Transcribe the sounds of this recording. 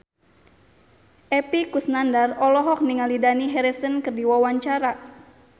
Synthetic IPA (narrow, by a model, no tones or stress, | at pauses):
ʔɛpikusnandarɔlɔɦɔk̚niŋalidaniɦɛɾɛsənkɨrdiwawaɲt͡ʃaɾa